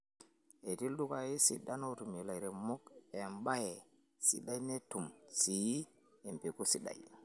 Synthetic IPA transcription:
e˨ti˦lɗu˦ka˨ji˦sḭ˨da˦no˦tu˨mi˨la˨jɾe˨mo˦ke˨mba˦je˨ | sḭ˨ɗa˦jne˦tu˨msi˨˦ | e˨mpe˨ku˦si˦ɗa̰˨j

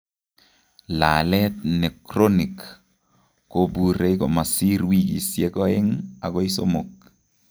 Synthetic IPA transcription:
la˨lɛ˦t̪̚nɛ˨kɾo˦ni˨k | ko˦bu˦ɾe˦ikɔ̰˨ma˨si˦ɾwi˦ki˨sjɛ˦kɔ˦ɛ˦ŋa̰˨kɔ˦i˦so˦mo˨k̚

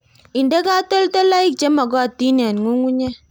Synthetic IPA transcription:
i˨nde˦ka˦to˦lte˦la˦i˦k̚t͡ʃe˦ma˨kɔ˦˨ti˦na˨nŋu˦ŋu˦ɲe˦

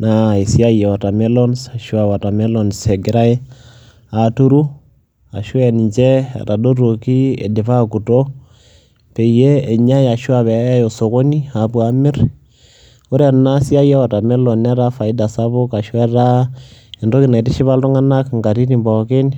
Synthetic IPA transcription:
nai˨si˦a˦i˨je˨wa˨ta˨me˦lo˦nsa˨ʃwa˨βa˨ta˨me˦lo˨nse˨ɡiɾa˦e˦ | atu˦ɾu˦ | a̰˨ʃwe˨niɲd͡ʒe˦a̰˨ɾa˨do˦ɾoki˦ḛ˨di˨fa˦ku˨to˦ | pe˨ijeː˦˨ɲa˦ja˨ʃwa˨βe˨˦jo˨so˨ko˦ni˦a˨pwa˨mi˦ɾ | o˦ɾe˨nna˦si˦a˦je˦wa˨ta˨me˦lo˨na˦ɾa˦fa˨i˦da˨sa˦βo˦ka˨ʃwe˦ɾa˦ | e˨ndo˦ki˨na˨i˨ti˦ʃi˦βa˦lto˦ŋa˦na˦kŋɡa˨ɾi˦ɾi˨mba˨ke˦ni

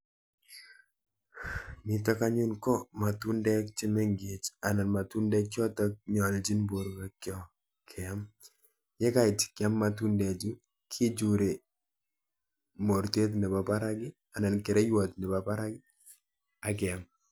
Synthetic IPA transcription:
nɪ˨tɔ˦ka˦ɲu˦nkɔ˦ma˨tu˦ndɛ˦k̚t͡ʃɪ˦mɛ˦ŋɡe˨t͡ʃa˨na˨nma˨tu˦ndɛ˦kjɔ˦tɔ˦k̚ɲɔ˨ld͡ʒi˦nbo˨ɾɡɛ˨kjɔ˦ | kʰɛ˨a˦m | jɛ˦ka˦ɪ˨t͡ʃkɪ˨a˦mːa˨tu˦ndɛ˨d͡ʒu˦ | kʰi˦d͡ʒu˨ɾe˨ | mo˨ɾte˦t̪̬nɛ˨ba˨pa˦ɾa˦ɡɪ˦ | a˨na˨nkɛ˨ɾɛ˦jwɔ˨t̪nɪ˨ba˨pa˦ɾa˦ɡɪ˦ | a˨k̬ɪ˨a˨m

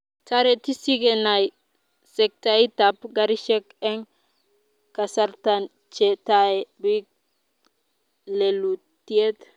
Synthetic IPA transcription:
ta˦ɾe˨ti˦si˦ɡe˨na˨j | sɛ˨k̚ta˨i˦ta˨pɡa˦ɾi˦ʃɛ˦kɛ˦ŋ | ka˨sa˦ɾta˨n | t͡ʃɛ˨ta˦ɛ˨bi˦k̚ | le˨lu˨ | ti˦e˦t

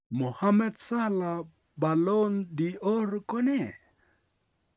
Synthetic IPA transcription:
mo˨ha˦mɛ˦d̪sa˦la˨ | ba˨lɔ˦ndi˨ɔ˦rkɔ˦nɛ˦˨

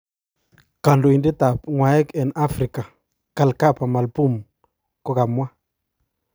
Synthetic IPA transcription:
ka˨ndo˨i˨ndi˦ta˨pŋwa˨ɛ˦kɛ˨na˦fɾi˨ka˨ | ka˨lka˦˨pa˨ma˨lpu˦˨m | kɔ˦ka˨mwa˦

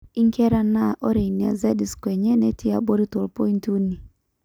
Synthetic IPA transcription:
i˦ŋkɛ˦ɾa˦na˦ʔɔ˦ɾe˨ini˨a̰˨zɛ˦di˨skwɛ˨ɲɛ˦nɛ˦tʰɪ˦a̰˨bo˦ɾi˦tɔ˨lpɔ˦i˦ntu˦ni˨

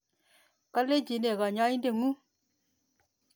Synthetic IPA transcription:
ka˦le˦d͡ʒi˨ne˨ka˨ɲa˦i˦n˦de˨ŋu˦

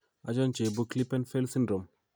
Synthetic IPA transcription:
a˨˦d͡ʒɔ˦nt͡ʃe˨bo˦kli˦pɛ˦nfe˦lsi˦ndɾo˨m

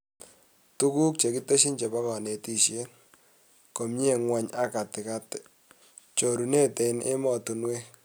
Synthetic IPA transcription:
tu˦ku˦k̚t͡ʃe˨ki˦te˦ʃi˦nt͡ʃe˨ba˦kɔ˨ne˨ti˦ʃje˦ | ko˨mɲe˦˨ŋwa˨ɲa˦ka˨tɪ˨ka˦tɛ̥˨ | t͡ʃo˨ɾu˨ne˦te˨nɪ̰˦mɔ˨tu˨nwe˦

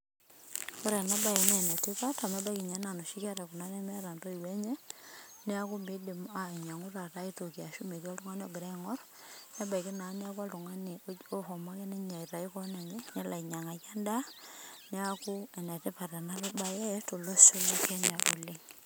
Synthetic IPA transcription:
ko˦ɾɛ˨na˦ba˦˨jɛ˨nɛ˨nɛ˨tɪ˦pa˦ta˨ma˦ba˦ki˨ɲa˨˦na˨no˨ʃi˦ka˦ɾɛ˨ku˨na˦nɛ˦mɛ˦ɾa˨ntɔ˦i˨wɛ˦ɲɛ˦nɛ˦a˦ku˦mbi˦di˨ma˨i˨ɲa˨ŋu˦ta˨ta˦i˦to˨ki˨a˨ʃu˦me˨k̬i˦ɔ˦ltu˦ŋa˦ni˦ɔ˨ɡɪ˨ɾɛ˦ŋɔ˦r | na˦ba˨i˨ki˦na˨˦nɛ˦a˦kwa˦tu˨ŋa˦ni˨o˦xɔ˨ma˦ke˦nɛ˦ɲa˨i˨ta˨i˦kɔ˦na˨ŋe˦ɲɛ˦la˨i˨ɲa˨ŋa˨ka˦nda˦nɛ˦a˦ku˦ɛ˨nɛ˨te˦pa˨ta˨na˦lo˦ba˨jɛ˦to˨lo˦se˦la˦kɛ˦ɲa˨ʔo˨le˦ŋ

